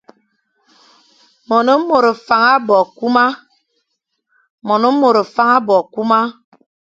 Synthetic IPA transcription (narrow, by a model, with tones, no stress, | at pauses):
mɔ˨no˦m̩˦mo˨ɾo˨fa˨ŋa˦bɔ˨ku˦ma˦ | mɔ˨no˦m̩˦mo˨ɾo˨fa˦ŋa˦bɔ˨ku˦ma˦